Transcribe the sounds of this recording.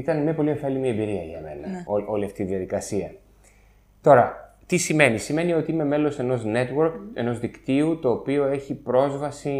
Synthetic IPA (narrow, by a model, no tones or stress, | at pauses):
it̪ɐnmɐpo̞lieɱfelimiembiɾiɐʝɐ̰me̞̰nɐ̰oo̞liɐft̪iðiɐðikɐsiɐ | t̪o̞ɾɐ | t̪isime̞nisime̞nio̞t̪iime̞me̞lo̞se̞no̞zne̞t̪wo̞ɾke̞no̞zðikt̪iut̪o̞ːpio̞e̞çipɾo̞zvɐsi